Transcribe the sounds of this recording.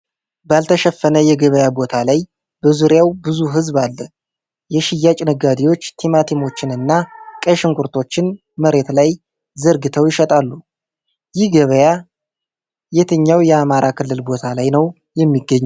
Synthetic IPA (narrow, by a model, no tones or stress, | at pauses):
balt̪ʰəʃɛfːənəjɛɡəβəjabo̞t̪ʰalaj | b̥əzuɾjawbɨzuɦɨzβalːə | jɛʃɪjːat͡ʃʼnɨɡad̪iwo̞t͡ʃːt̪ʰimat̪ʰimo̞t͡ʃːɪnɨnːakʼəʃɪŋkʰʷʼuɾt̪ʰo̞t͡ʃːɪn | məɾe̞t̪laj | zəɾɡɨt̪ʰəwjɪʃɛt̪ʼalːu | jɪhɡəβəja | jet̪ʰɨɲːawjɛamaɾakʰɨlːɨlbo̞t̪ʰalajnəw | jɛmːiɡːəɲːu